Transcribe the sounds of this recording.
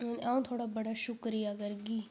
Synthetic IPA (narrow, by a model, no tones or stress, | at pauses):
aũːt̪ʰoːɽaːbəɽaːʃʊkɾiːaːɡəɾɡiː